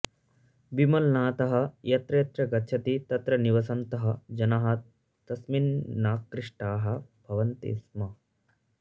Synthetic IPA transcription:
bimɐlnaːt̪ɐɦɐ̆jɐt̪ɾɐjt̪ɾɐɡɐtːʃʰɐt̪it̪ɐt̪ɾɐniʋɐsɐnt̪ɐɦɐ̆d͡ʒɐnɐɦɐ | t̪ɐsminːaːkɾiʂʈaːɦɐ̆b̥ʱɐʋɐnt̪ḭsmɐ

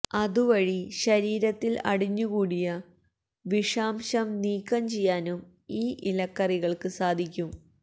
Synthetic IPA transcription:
ɐðuʋɐɻiɕɐɾiːɾɐt̪ːilɐ̰ɽiɲːuɣuːɽijɐ | ʋiʂaːmɕɐmniːkːɐmt͡ɕe̞jːaːnum | iːʔilɐkːɐriɣɐɭkɨsaːd̪ʱikʲːum

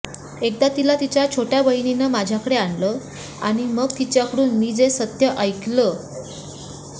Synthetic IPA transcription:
ek̚d̪at̪ilat̪it͡ɕjat͡ɕʰoʈjabəɦininəmad͡ʑʱjakəɽeaɳlə | a̰ɽ̃iməɡ̚t̪it͡ɕjakəɽuːnmiːd͡zesət̪jəʔəjkʰlə

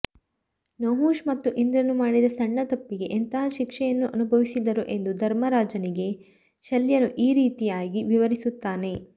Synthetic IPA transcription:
noːɦuːʃmɐt̪ːuʔind̪ɾɐnːumaːɽid̪ɐsɐɳːɐt̪ɐpːiɡe̞ʔent̪ɐɦɐʃikʂɛjɐnːuʔɐnubʱɐʋisid̪ɐɾuʔe̞nd̪ud̪ʱɐɾmɐɾaːd͡ʒɐniɡe̞ | ʃɐljɐnuʔiːɾiːt̪ijaːɡiʋiʋɐɾisut̪ːaːne̞

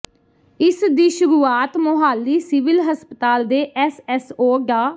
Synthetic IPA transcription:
ɪsd̪iːʃʊɾuːaːt̪mʊɦaːlːiːsɪʋɪlɦəspət̪aːld̪eːʔɛsɛsoːɡaː

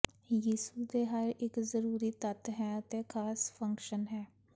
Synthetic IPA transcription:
jiːsuːd̪eːɦaɾɪkzəɾuːɾiːt̪ət̪ɦɛːət̪eːkʰaːspʰə̃ŋkʃənɦɛː

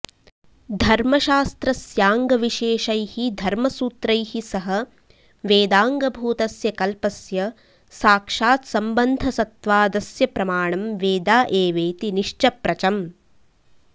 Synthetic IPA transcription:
d̪ʱɐɾmɐʃaːst̪ɾɐsjaːŋɡɐʋiʃeːʃɐjhid̪ʱɐɾmɐsuːt̪ɾɐjhisɐɦɐ | ʋeːd̪aːŋɡɐbʱuːt̪ɐsjɐkɐlpɐsjɐ | saːkʂaːt̪sɐmbɐnd̪ʱɐsɐt̪ʋaːd̪ɐsjɐpɾɐmaːɳɐmʋeːd̪aːʔeːʋeːt̪iniʂt͡ʃɐpɾɐt͡ʃɐm

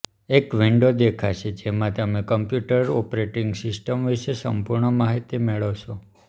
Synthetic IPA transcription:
ekʋiɳɖod̪ekʰaʃʰed͡ʒemãt̪əmekəmpjuʈəɾɔpɾeʈɪŋɡsɪsʈəmʋiʃesə̰mpuɾɳəmaɦit̪imeɭoʋt͡ʃʰo

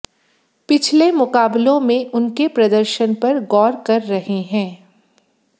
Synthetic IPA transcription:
pɪt͡ʃʰlemʊkaːblõmẽʔʊnkepɾɐd̪əɾʃənpɐɾɡɔːɾkɐɾːɐɦeɦɛ̃ː

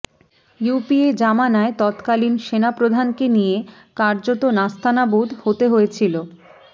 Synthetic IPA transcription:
jupied͡ʑamanaet̪ɔt̪kalinʃenapɾod̪ʱankenije | kaɾd͡ʑot̪onast̪ʰanabud̪ʱhot̪eɦojet͡ɕʰilo

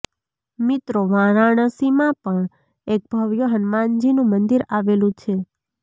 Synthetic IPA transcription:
mit̪ɾoʋãɾaɳ̃əsimãpəɳ | ek̚bʱəʋjoɦənmand͡ʒinũmənd̪iɾaʋelũt͡ʃʰe

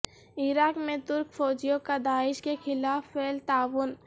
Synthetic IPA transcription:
ɪɾaːkmẽt̪ʊɾkfɔːd͡ʒijõkad̪aːɪʃkexʰɪlaːfeːlt̪aːʋʊn

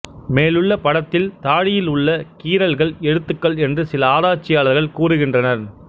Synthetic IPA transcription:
meːlɯɭːɐpɐɽɐt̪ːɪlt̪aːɽɪjɪlʊɭːɐkiːɾɐlɣɐɭɛɻɯt̪ːɯkːɐɭɛndrɯsɪlɐaːðaːt͡ʃːɪjaːɭɐɾɣɐɭkuːrɯɣɪndrɐnɐɾ

